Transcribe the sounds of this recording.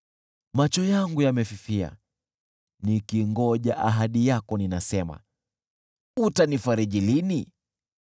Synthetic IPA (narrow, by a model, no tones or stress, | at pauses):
mat͡ʃɔjaŋɡujamɛfifia̰ | nikiŋɡɔʄaʔaɦaɗijakɔninasɛma̰ | utanifaɾɛʄilini